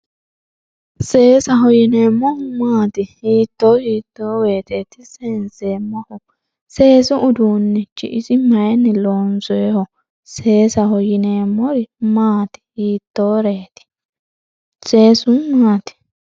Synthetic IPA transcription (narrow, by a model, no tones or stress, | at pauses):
se̞ːsɐɦɔjɪneːmːɔhʊmaːt̪ɪhiːt̪ːoːhiːt̪ːoːweːt̪eːt̪ɪseːnseːmːɔhʊ | se̞ːsʊʔʊd̪uːnːɛt͡ʃːɪ̰ʔɪsʼɪmɐjɛnːɪloːnsɔjɛhɔ | se̞ːsɐhɔjɪneːmːɔɾɪmaːt̪ɪ̥hiːt̪ːoːɾeːt̪ɪ̥ | se̞ːsʊmaːt̪ɪ̥